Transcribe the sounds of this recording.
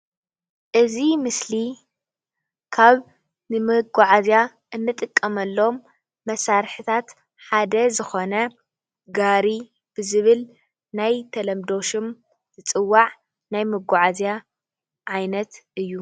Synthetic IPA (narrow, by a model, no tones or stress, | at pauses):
ʔɨzimɨsli | kʰaβ | nɨmɨɡʷaʕazja | ʔɨnːɨt̪ʼɨkʼːɐmɐlːo̞mː | ɐsaɾħɨt̪ʰat̪ | ħad̪ɐzɨxo̞nɐ | ɡaɾi | b̥ɨzɨβɨl | najt̪ʰɐlɐmd̪o̞ʃɨm | t̪ʰɨt͡sʼɨwːaʕ | najmɨɡʷaʕazja | ʕajnɐt̪ɨjːu